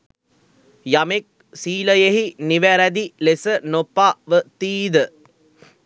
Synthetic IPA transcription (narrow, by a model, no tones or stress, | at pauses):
jɐmek̚ | siːlɐjeɦiniʋɐɾɐd̪ilesɐnopːaːʋət̪iːðɨ